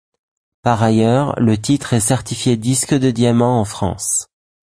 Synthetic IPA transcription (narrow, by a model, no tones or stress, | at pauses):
paʁajœʁlət̪it̪χɛsɛʁt̪ifjed̪iskd̪əd̪jamɑ̃ɑ̃fχɑ̰̃s